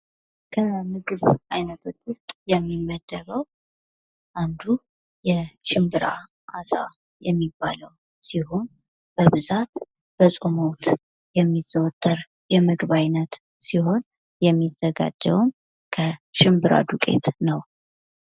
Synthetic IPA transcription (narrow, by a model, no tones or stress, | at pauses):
kʰəmɨɡɨβʔajnət̪ut̪wʊst̪ʼjɛmːimːəd̪̥ːəβəw | ʔand̪u | jɛʃɪmbɨɾa̰ | ʔasa̰ | jɛmːibːaləw | sihun | b̥əβɨzat̪̚ | b̥əsʼomowt̪ | jɛmːiz̥əwt̪ʼːəɾ | jɛmɨɡβajnət̪ | siho̞n | jɛmːiz̥əɡa̰d͡ʒːə̰wum | kʰəʃɪmbɨɾa̰d̪ukʼe̞̰t̪nəw